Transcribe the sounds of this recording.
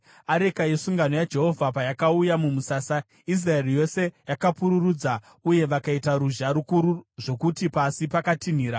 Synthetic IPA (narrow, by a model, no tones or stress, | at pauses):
aɾe̞kaje̞suŋɡano̞jad͡ʒe̞ɦo̞vʱapajakaujamumusaːsa | is̬raerijo̞se̞jakapuɾurud͡za | uje̞ʋakaitaɾuʒaɾukuɾuʐo̞kutipasipakatin̤iːɾa